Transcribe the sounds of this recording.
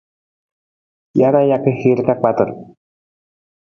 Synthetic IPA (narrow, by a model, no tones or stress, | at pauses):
jaɾajakehiɾkak͡pat̪əɾ